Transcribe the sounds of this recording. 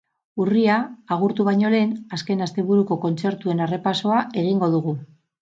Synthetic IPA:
uriaːɣuɾt̪uβajɲo̞le̞naske̞nast̪e̞βuɾuko̞ko̞nt͡se̞ɾt̪ue̞nare̞paso̞ae̞ɣ̞iŋɡo̞ð̞uɣu

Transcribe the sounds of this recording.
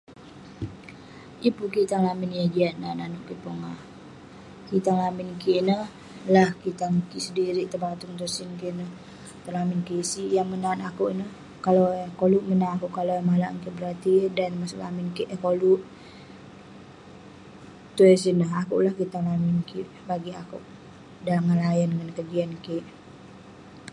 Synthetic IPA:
ipukit̪aŋlamɪnjad͡ʒiaʔnananuʔkipoŋah | kit̪aŋlamɪnkiʔnəh | lahkit̪aŋkisədiɾiʔt̪ərbat̪ʊŋt̪usinkiʔnəh | t̪əlamɪnkisiʔjaŋmənanakuʔnəh | kalokoluʔmənanakuʔkalomalaʔŋkiʔbəɾart̪idanmasuʔla̰mɪnkiʔkoluʔ | t̪uɛsinəɦakṵʔlahkit̪aŋlamɪnkiʔ | baɡiakuʔ | daŋanlajəndəŋankəɡiankiʔ

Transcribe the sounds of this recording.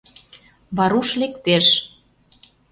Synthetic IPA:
βɑɾuʃlekt̪eʃ

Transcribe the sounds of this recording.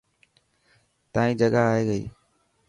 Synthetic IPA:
t̪ãːĩːd͡ʒəɡaaːɦeːɡəḭː

